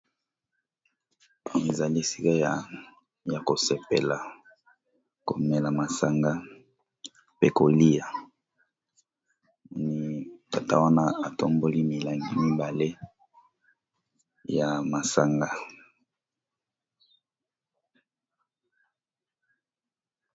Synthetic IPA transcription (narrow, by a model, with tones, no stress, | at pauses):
e˨za˨li˦e˨si˦ka˦ja˨ | ja˨ko˨se˨pe˨la˨ | ko˨me˨la˨ma˨sa˨ŋɡa˦ | pe˦ko˨li˦ja˨ | mɔ˨˦ni˦ta˨ta̰˦wa˦na˦a˨to˦mbo˦li˦mi˨la˨ŋɡi˨mi˦ba˨le˦ | ja˨ma˨sa˨ŋɡa˦